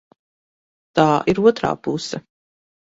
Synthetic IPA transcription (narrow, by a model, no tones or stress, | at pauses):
t̪aːʔiɾuɔt̪ɾa̰ːpusɐ